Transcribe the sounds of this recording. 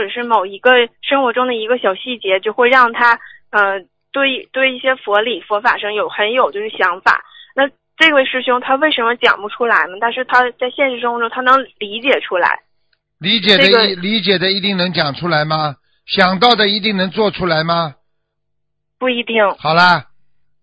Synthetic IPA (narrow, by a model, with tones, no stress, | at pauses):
xo˥˩ʈ͡ʂɤ˨˩ʂɻ̩˥˩mo˨˩ʊi˧˥ɡə˧ʂɤ˥ŋxwɔ˧˥ʈ͡ʂʊ˥ŋd̪ə˨i˧˥ɡə˧ɕjɑ˨˩ʊɕi˥˩t͡ɕjɛ˧˥t͡ɕjo˥˧ʊxwe˥˧ɪɻɑ˥˩ŋt̪ʰa˥ | ə˧ | t̪we˥˩ɪ˥t̪we˥˧ɪi˥˩ɕjɛ˥fwɔ˧˥li˨˩fwɔ˧˥fa̰˨˩ʂɤ˥ŋjo˨˩ʊxə˧˥njo˨˩ʊt͡ɕjʊʂɻ̩˥˩ɕjɑ˧˥ŋfa̰˨˩˦na˥˧ | ʈ͡ʂɤ˥˩ɡə˩ʂɻ̩˥˩ɕʊ˥ŋt̪ʰa˥we˥˩ɪʂə˧˥nmə˧t͡ɕjɑ̰˨˩ŋpu˧˥ʈ͡ʂʰu˥la˧˥ɪnə˧t̪a˥˧nʂ̬ɻ̩˥˩t̪ʰa˥t͡sa˥˧ɪɕjɛ˥˧nʂɻ̩˥˩ʂ̬ɤ˥ŋxɔ˧˥ʈ͡ʂʊ˥ŋt̪ʰa˥nɤ˧˥ŋli˧˥t͡ɕjɛ˨˩ʈ͡ʂʰu˥la̰˧˥ɪ | li˧˥t͡ɕjɛ˨˩˥d̪ə˦˥li˧˥t͡ɕjɛ˨˩d̪ə˦i˧˥t̪i˥˩ŋnɤ˧˥ŋt͡ɕjɑ˨˩ŋʈ͡ʂʰu˥la˧˥ɪmɐ˧ | ɕjɑ˨˩ŋt̪ɑ˥˩ʊd̪ə˩i˧˥t̪̬i˥˩ŋnɤ˧˥ŋt͡swɔ˥˩ʈ͡ʂʰu˥la˧˥ɪmɐ˧ | pu˥˩i˧˥t̪i˥˩ŋxɑ˨˩ʊlɐ˦